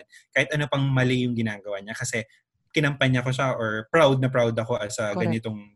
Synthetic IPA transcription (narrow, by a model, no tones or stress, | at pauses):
nkaːhɪt̪̚ʔɐno̞pɐŋmɐlɪjʊŋɡɪnaːɡɐwaɲakɐsɛ | kɪnɐmpɐɲɐko̞ʃaʔoɹpɾawd̪̚nɐp̬ɹawd̪ɐko̞ʔɐsɐɡɐnɪt̪o̞ŋ